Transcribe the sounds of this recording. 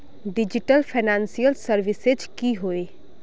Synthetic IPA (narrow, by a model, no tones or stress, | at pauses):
ɖɪd͡ʒɪʈəlpʰaːnãːnsijəlsəɾʋɪsɪd͡ʒkiːɦoːeː